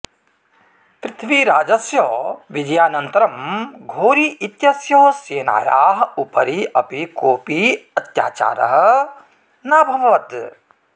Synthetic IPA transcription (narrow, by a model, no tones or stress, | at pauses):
pɾɪt̪ʰʋiɾaːd͡ʒɐsjɔːʋid͡ʒɐjaːnɐnt̪ɐɾɐmɡʱoːɾiit̪jɐsjɔːseːna̰ːja̰ːɦupɐɾiʔɐpikoːpiɐt̪ja̰ːt͡ʃa̰ːɾɐ̰ɦɐ | naːbʱɐmɐʋɐt̪